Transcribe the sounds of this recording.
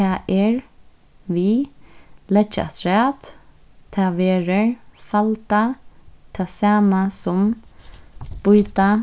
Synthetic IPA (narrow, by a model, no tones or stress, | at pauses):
aʔɛɹ | ʋi | lɛt͡ʃːa̰t̪ʰɾɛːt̪ | t̪ʰaːʋeːɾəɹfalt̪at̪ʰaːsaːmasʊm | b̥ʊjt̪a